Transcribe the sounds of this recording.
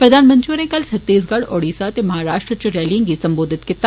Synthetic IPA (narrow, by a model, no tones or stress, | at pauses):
pɾɐd̪ʱaːnmɐ̃nt̪ɾiuɾẽkɐlt͡ʃʰɐt̪ːiːs̬ɡɐɽoːɽiːsat̪emɐɦaːɾaːʃʈɾət͡ʃəɾɛːlĩŋɡisɐ̃mboːd̪ʱɪt̪kɪt̪ː